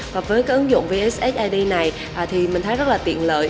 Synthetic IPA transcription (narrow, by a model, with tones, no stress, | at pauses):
vaː˨˩vəː˨˦jkaː˨˦k̚ʔə˨˦nzʊ̰˧˨ŋ͡mvəi˨˦ʔe˦˥sʔɛ˦˥t̚ʔaː˧jɗi˧na˨˩j | ʔaː˨˩t̪ʰi˨˩mï̟˨˩t̪ʰa˨˦zə˦˥laː˨˩t̪ḭ˧˨ənlə̰ː˧˨j